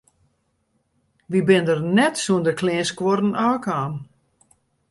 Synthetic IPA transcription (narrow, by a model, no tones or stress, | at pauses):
ʋibɪndərnɛtsuəndəklɪːskworn̩aːkaːm